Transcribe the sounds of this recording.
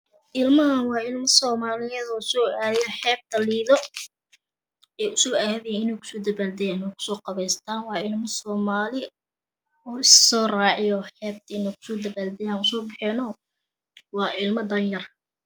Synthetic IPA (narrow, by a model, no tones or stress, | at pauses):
ʔɪlmɐɦɐnwɑːɪlmɐsɔːmaːlɪjɛðɔːsɔːʔaːjɛħɛːb̚t̪ʰɐliːðɔ | ɛːʊsɔːaːðɛjɛɪnɛːkʰʊ̥sɔːd̪ɐβaːld̪ɛjaːɪnɛkʰʊ̥sɔːqɑβɛːst̪ʰaːnwɑːɪlmɐsɔːmaːlɪ | ɔːɪssɔːraːʕɪjɔħɛːb̚t̪ʰɐɪnɛkʰʊ̥sɔːd̪ɐβaːld̪ɛjaːnʊsɔːbɪħɛːnɔː | wɑːʔɪlmɐd̪ɐnjɐr